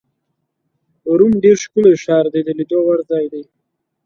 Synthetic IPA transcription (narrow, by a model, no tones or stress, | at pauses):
uɾumɖeɾʃkuleʃɑːɾd̪ed̪əlid̪owaɾzɑjd̪e